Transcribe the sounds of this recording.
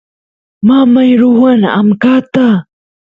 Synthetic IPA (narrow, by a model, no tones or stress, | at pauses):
mamajɾuwɐna̰mkat̪a